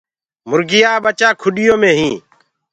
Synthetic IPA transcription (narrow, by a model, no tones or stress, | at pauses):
mʊɾɡɪjaːɓət͡ʃaːkʰʊɗɪjõːmẽːɦĩː